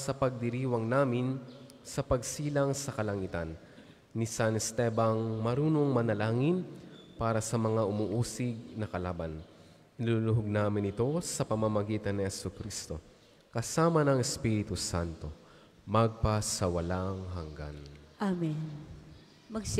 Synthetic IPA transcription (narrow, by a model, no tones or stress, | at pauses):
sɐpɐɡ̚d̪ɪɾiːwɐŋnaːmɪn | sɐpɐɡsiːlɐŋsɐkɐlɐŋit̪ɐnː | isanɛst̪ɛbɐŋmɐɾuːno̞ŋmɐnɐlaːŋɪnpaːɾɐsɐmɐŋaʔʊmuːʔuːsɪɡ̚nɐkɐlaːban | ʔɪlulʊɦoɡ̚naːmɪnɪt̪o̞sɐpɐmamɐɡiːt̪ɐnːihɛsukɾist̪o̞ | kɐsaːmɐnɐŋɛspiɾɪt̪usant̪o̞ | mɐɡ̚pasɐwɐlaŋɦɐŋɡa̰nʔamin | mɐɡs